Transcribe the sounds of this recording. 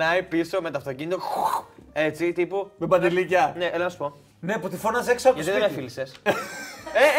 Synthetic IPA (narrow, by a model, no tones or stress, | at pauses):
ɐipiso̞me̞t̪oɐft̪ocinit̪oxe̞t͡sit̪ipumebɐd̪ilicɐneʔelɐnɐsu̥po | neput̪ifonɐzeksoʝɐt̪iðeemeffilises | e